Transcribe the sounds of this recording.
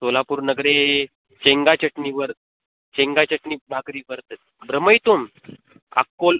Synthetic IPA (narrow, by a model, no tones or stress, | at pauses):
solapuːɾnəɡɾe | t͡ɕeŋɡat͡ɕəʈniːʋəɾ | t͡ɕeŋɡat͡ɕəʈniːbʱakɾiːʋəɾt̪ət̪̚ | bɾəməjt̪om | a̰kːol